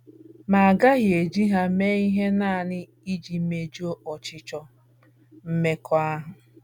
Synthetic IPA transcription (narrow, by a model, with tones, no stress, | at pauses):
ma˨a˨ɡa˦ɣje˨d͡ʒi˦ɦa˦me˦i˦ɦe˦na˦˨nɪ˦ | i˦d͡ʒi˨˦me˨d͡ʒo˦ʔɔ˨t͡ʃɪ˨˦t͡ʃɔ˨ | m̩˦me˦kʰɔ˦a˦ɦʊ˨